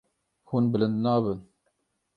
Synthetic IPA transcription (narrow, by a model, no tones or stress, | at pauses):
huːnbəlɨnd̪nɑːβən